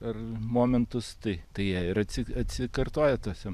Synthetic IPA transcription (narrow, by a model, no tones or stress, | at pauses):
ɐrmoːmʲɛnt̪ʊst̪ɐɪt̪ɐɪjiːɪɾɐt̪ʲsʲɪɐt̪ʲsʲɪkɐrt̪oːjɛt̪oːsʲɛ